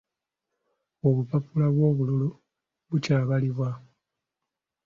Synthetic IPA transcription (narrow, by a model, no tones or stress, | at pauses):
oβupapulaβwo̞ːβululu | βucaːβaliβwa